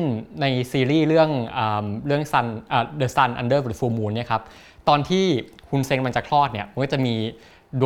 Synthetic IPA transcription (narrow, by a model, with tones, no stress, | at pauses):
nna˧jsiː˧ɾiː˥˩ɾɯ˥˩əŋʔɤː˨˩mɾɯ˥˩əŋsa˧nʔaː˨˩dɤː˧sa˧nʔa̰˧ndɤː˥˩˨fu˧muː˧nːi˥˩ɐkʰa˦˥p̚ | t̪ɔː˧nt̪ʰiː˥˩kʰu˧nse˧ŋkma˧ŋt͡ɕa˨˩kʰlɔː˥˩t̪̚ni˥˩ɐma˧kɔː˥˩t͡ɕmiː˧ | du˧